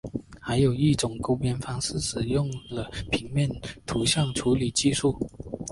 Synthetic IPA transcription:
xa˧˥ɪjo˨˩ʊi˥˩ʈ͡ʂʊ˨˩ŋko˥ʊpjɛ˥nfɑ˥ŋsɹ̩˥˩ʂɻ̩˨˩jʊ˥˩ŋlə˨pʰi˧˥ŋmjɛ˥˩nt̪ʰu˧˥ɕjɑ˥˩ŋʈ͡ʂʰu˧˥li˨˩t͡ɕi˥˧ʂu˥˩

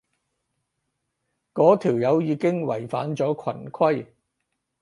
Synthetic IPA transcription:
kɔː˨˥t̪ʰiː˨˩wjɐ˨˧wjiː˨˧kɪ˥ŋwɐ̰˨˩jfa̰ː˨˥nt͡sɔː˨˥kʰɐ̰˨˩nkʰwɐ˥j

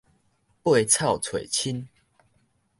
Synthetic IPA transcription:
pwe˥˨˩t͡sʰa˥˨ʊt͡sʰwe˨˩ɪt͡ɕʰi˦n

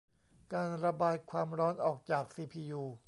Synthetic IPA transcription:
kaː˧nɾa˧baː˧jkʰwaː˧mɾɔː˦˥nʔɔː˨˩k̚t͡ɕaː˨˩k̚siː˧pʰiː˧juː˧

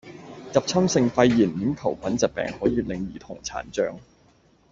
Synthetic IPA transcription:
t͡sɐ˨p̚t͡sʰɐ˥msɪ˧ŋfɐ˧jːiː˨˩nmiː˨˥nkʰɐ˨˩wpʰɐ˨˥nt͡sɐ˨t̚pɛ̰ː˨˩ŋhɔː˨˥jiː˧lɪ˨ŋjiː˨˩t̪ʰʊ˨˩ŋt͡sʰa̰ː˨˩nt͡ʃœː˧ŋ

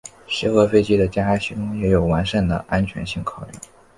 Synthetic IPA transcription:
ɕɛ˧˥xɤ˧˥fe˥ɪt͡ɕi˥d̪ə˨t͡ɕja˥a˥ɪɕi˧˥ʊ˥ŋjɛ˧˥jo˨˩ʊwa˧˥nʂə˥˨˩nd̪ə̰˩ʔa˥nt͡ɕʰɥɛ̰˧˥nɕi˥˩ŋkʰɑ˨˩ʊly̰˥˩

